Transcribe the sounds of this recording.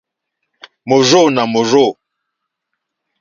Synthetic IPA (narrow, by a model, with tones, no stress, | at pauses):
mo˨zo˦˨na˨mo˨zo˦˨